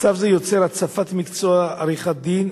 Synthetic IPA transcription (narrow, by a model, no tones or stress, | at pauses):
t͡savzɛjot͡sɛɾat͡safat̪mikt͡soaaɾiχad̪in